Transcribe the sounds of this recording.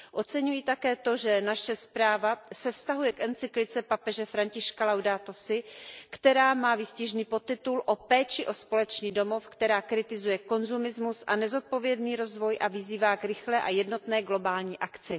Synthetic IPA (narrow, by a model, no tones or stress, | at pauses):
ʔo̞t͡sɛɲujiːt̪akɛːt̪o̞ʒɛnaʃɛspɾaːvasɛfst̪aɦujɛkʔɛnt͡sɪklɪt͡sɛpapɛʒɛfɾaɲcɪʃkalawdaːt̪osɪkt̪ɛɾaːmaːvɪscɪʒniːpo̞t̪ːɪt̪ulʔo̞pɛːt͡ʃɪʔo̞spo̞lɛt͡ʃɲiːdo̞mo̞fkt̪ɛɾaːkɾɪt̪ɪzujɛko̞nzumɪzmusʔanɛzo̞t̪̚po̞vjɛdniːɾo̞zvo̞jʔavɪziːvaːkɾɪxlɛːʔajɛdno̞t̪nɛːɡlo̞baːlɲiːʔakt͡sɪ